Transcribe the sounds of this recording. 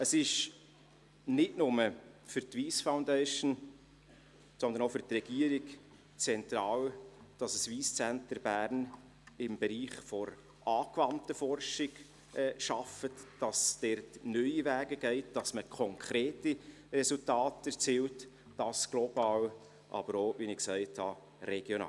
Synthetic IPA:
əsɪʃ | nɪdnʊməfʏɾtviːsfaʊndɛɪʃən | sɔnd̪ənofʏɾtrɛɡ̥iəɾiɡ | t͡sɛnt̪ɾɑːwd̥ɑsəsʋiːst͡sæntəɾbæːɾn | ɪmbɛɾiːχfɔɾ | ʔɑːkvɑntəfɔrʃɪɡ̥ | ʔɛʃɑfətd̥ɑsd̥ɛɾtnœʏivæːɡəɡ̥ɛɪt̚d̥ɑsməkʰɔŋkʰɾeːti | rɛsultɑːtɛɾt͡siːwt | d̥ɑsɡ̥lobɑːw | ʔɑ̰bəɾoːʋinɪksɛɪthɑ | ɾɛɡ̥jonɑ̰ː

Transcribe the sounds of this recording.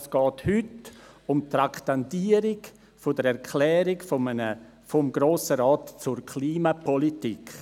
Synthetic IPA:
sɡ̥ɔːthʏtʊmt̪ɾaktantiːəɾɪɡ | fɔdəɾɛɾkʰlɛːɾɪɡfoənə | fɔmɡɾoːsəɾaːtt͡sʊɾkʰliːmapʰɔlitikʰ

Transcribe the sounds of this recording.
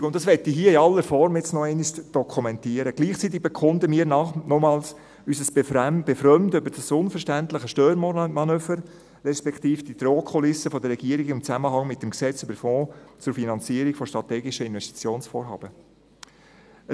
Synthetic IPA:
ʊntd̥ɑsʋɛtːiɦiəɪɑlːəɾfɔɾmjɪt͡snɔɛɪniʃd̥ɔkʰumɛntiəɾəɡ̥liːχt͡sit̬ːɪɡ̚b̥ekʰʊndəmiːəɾnɑnɔmɑːls | ysəsb̥efɾœmtøbəɾd̥ɑsʊnfəɾʃtænt̪ləχəʃtøːɾmmɑnøːfəɾː | ɛspɛkt̪iːfd̥id̪ɾoːkʰɔlɪsəfɔdəɾrːɛɡiəɾiɡɪmt͡sæməɦɑŋmɪtdmksɛt͡sybəɾfɔ̃ːt͡sʊɾfinɑnt͡siəɾikfɔʃtɾɑt̪ɛːɡɪʃəɪnʋɛʃti̥t͡sjoːnsfɔːɾɦɑ̰ːb̥ə

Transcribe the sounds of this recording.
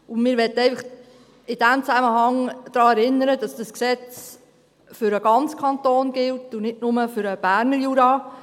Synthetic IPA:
ʊnmɪːɾʋɛtəɛɪfɑχ | ɪd̥æmt͡sæməɦɑŋd̥ɾɑːɛɾɪnːəɾəd̥ɑsd̥əsksɛt͡s | fʏɾəɡ̥ɑnt͡skʰɑntoːnɡ̥ɪltʊnɪdnʊməfʏɾəb̥æːɾnəɾjuːɾɑː

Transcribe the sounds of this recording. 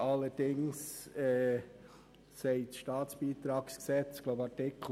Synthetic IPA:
ɑlːəd̥ɪŋsɛː | sɛɪtʃtɑːt͡sb̥iːt̪ɾɑːksksɛt͡sɡ̥loʊbɑtɪkʰ

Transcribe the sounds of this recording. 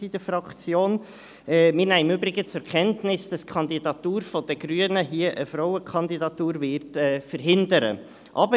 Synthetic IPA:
id̥əfɾɑkt͡sjoːn | ɛːmɪnæɪɪmʏbɾɪɡət͡sʊɾkʰɛntnɪsd̥ɑskʰɑnd̪idɑtuːɾfɔd̥əɡɾyənəɦiəʔəfɾɔʊəkʰɑndidɑt̪uːɾvɪɾtɛːfəɾɦɪndəɾə̰ | ʔɑ̰bə

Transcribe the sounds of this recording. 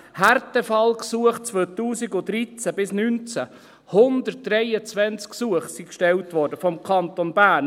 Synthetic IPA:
hærtəfɑlksuəχt͡sʋøtuːsiɡʊd̪ɾit͡sæbɪsnynt͡sæ | hʊndətd̥ɾɛjət͡sʋɛnt͡sksuəχsikʃtɛltʋɔɾdəfɔmkʰɑnt̪onbæːn

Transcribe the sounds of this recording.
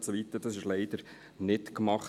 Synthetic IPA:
tsoʋit̪ədɑsɪʃlɛɪd̥əɾ | nɪtkmɑχ

